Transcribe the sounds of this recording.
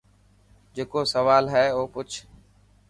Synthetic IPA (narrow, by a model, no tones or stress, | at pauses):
d͡ʒeːkoːsəʋaːlɦɛːoːpʊt͡ʃʰ